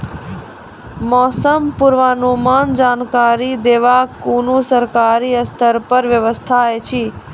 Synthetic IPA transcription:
mɔːsəmpuɾʋaːnumand͡ʒaːnkaɾid̪eːʋakunũsəɾkaɾiəst̪ʰəɾpəɾʋjəʋəst̪ʰaet͡ʃʰi

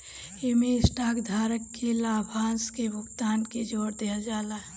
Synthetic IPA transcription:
emesʈaːkd̪ʱaːɾəkːelaːbʱaːskebʱʊkt̪aːnked͡ʒoːɾt̪eɦad͡ʒaːla

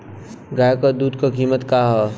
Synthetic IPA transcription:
ɡaːjkəd̪uːd̪kokiːmət̪kaːɦɛ

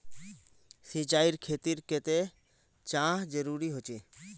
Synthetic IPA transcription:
sit͡ʃaːiɾkʰet̪iɾket̪e | t͡ʃãːɦd͡ʒəɾuɾiɦot͡ʃe

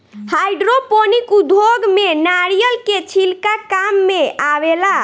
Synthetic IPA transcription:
hajɖɾoponikud̪ʱoɡmenaɾijəlket͡ʃʰilkakamːeaʋela

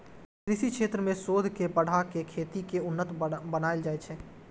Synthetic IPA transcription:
kɾɪʃikʃeːt̪ɾəmẽsoːd̪ʱkepəɽ̤akekʰeːt̪ikeʊnːət̪bənaːeld͡ʒaːet͡ʃʰɛː

